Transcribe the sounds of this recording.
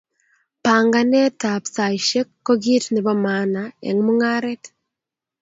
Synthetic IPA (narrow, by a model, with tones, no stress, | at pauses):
paːŋɡa˦ne˦ta˨psa˨iʃe˦kːo˦ɡi˦tni˨βɔ˦maː˦naḛ˨ŋmu˦ŋa˦ɾet